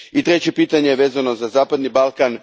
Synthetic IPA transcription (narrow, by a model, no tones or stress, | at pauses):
it̪ɾe̞t͡ɕe̞piːt̪aɲejeʋe̞ːzano̞zazaːpad̪nibalˠkan